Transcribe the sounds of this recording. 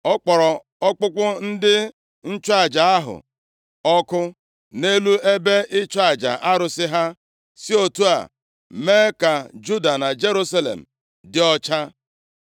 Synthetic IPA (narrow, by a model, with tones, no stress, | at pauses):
ɔ˦k͡pɔ˨ɾɔ˨ | ɔ˦k͡pʊ˦kʷʊ˦n̩˦dɪ˦ | n̩˦t͡ʃa˦˨d͡ʒa˨a˦ɦʊ̰˨ | ɔ˦kʊ˦ | ne˦lu˦e˦be˦ɪ˦t͡ʃa˦˨d͡ʒa̰˨ʔa˦ɾʊ˨sɪ˦ɦa˦ | si˦o˨tu˦a̰˨ | me˦ka˨d͡ʒu˦da˨na˨d͡ʒe˦ɾu˦sa˦lḛ˨m̩˨ | dɪ˦ɔ˦t͡ʃa˦